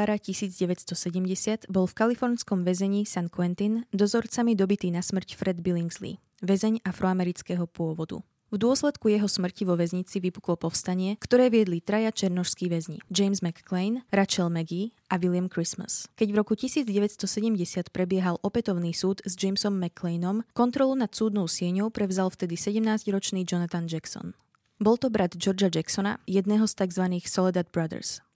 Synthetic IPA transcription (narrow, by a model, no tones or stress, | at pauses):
aɾacisiːd͡zɟɛʋɛcst̪ɔsɛɟɛmɟɛsɪad̪̥bɔlfkalifɔɾnskɔmʋɛzɛɲiːsankʊɛnt̪ind̪ɔzɔɾt͡samid̪ɔbit̪iːnasmr̩cfɾʔɛd̪biliŋɡzlḭ | ʋɛzɛɲafɾɔamɛɾit͡skɛɦɔpʊɔʋɔd̪ṵ | vd̪ʊɔslɛt̪kujɛɦɔsmr̩ciʋɔʋɛzɲit͡siʋipu̥klɔpɔfst̪aɲɪɛkt̪ɔɾɛːʋɪɛd̪lit̪ɾajat͡ʃɛɾnɔʃskiːʋɛzɲḭd͡ʒɛjmzmɛkːlɛjnɾat͡ʃɛlmɛɡi | aʋilɪamkɾisma̰skɛɟvɾɔkucisiːd͡zɟɛʋɛcst̪ɔsɛɟɛmɟɛsɪat̪pɾɛbɪɛɦalʔɔpɛt̪ɔʊniːsuːd̪zd͡ʒɛjmsɔmːɛkʰːlɛjnɔmkɔnt̪ɾɔlunat̪suːd̪nɔʊsɪɛɲɔʊpɾɛʋzalft̪ɛd̪isɛɟɛmnaːzɟɾɔt͡ʃniːd͡ʒɔnat̪and͡ʒaksɔ̰n | bɔlˠt̪ɔbɾad̪d͡ʒɔɾd͡ʒad͡ʒaksɔna̰jɛd̪nɛːɦɔst̪aɡzʋaniːxsɔlɛd̪ad̪bɾad̪ɛ̰ɾs